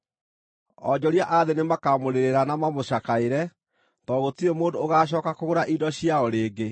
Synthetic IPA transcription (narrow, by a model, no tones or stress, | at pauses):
ɔɲd͡ʑɔɾjaʔaðenemakamoɾeɾeɾanamamoɕakaeɾɛ | tɔɣotiemoːdoːɣaːɕ̬ɔːkakoɣoɾaʔidɔɕjaɔɾeːɡe